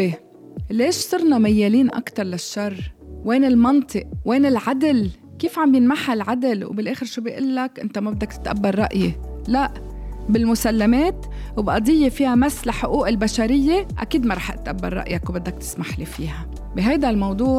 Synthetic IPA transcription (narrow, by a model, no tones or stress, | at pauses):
e | leːʃsˤɨɾˤnɑmajːeːliːnʔa̰kt̪ɑɾˤlaʃːɑrˤːweːnɪlmɑnt̪ˤɨʔweːnɪlʕad̪ɪl | kiːfʕambjɪnmaħalʕad̪ɪlwbɪlʔeːxɪɾʃuːbijʔʊlːakʔɪnt̪amabɪd̪ːakt̪ɪ̥t̪ʔabːɑɾːˤɑʔjelaʔ | bɪlmʊsalːameːt̪ | wbʔɑd̪ˤɨjːefiːhamasːlaħʊʔuːʔɪlbaʃaɾɪjːeʔa̰kiːd̪maɾˤɑːħʔɪt̪ʔa̰bːa̰ɾːˤɑ̰ʔjakwbɪd̪ːak̚t̪ɪ̥smaħlifiːha | bɪɦajd̪almɑwd̪ˤuːʕ